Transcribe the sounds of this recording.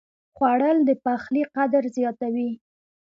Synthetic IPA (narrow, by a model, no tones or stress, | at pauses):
xwaɽəld̪əpaxliqad̪ɾzjɑt̪awi